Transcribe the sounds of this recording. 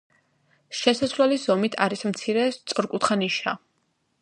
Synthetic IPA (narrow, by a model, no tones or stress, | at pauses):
ʃɛsasvlɛlizɔmit̪ʰaɾismt̪sʰiɾɛst̪sʼɔɾkʼut̪χaniʃa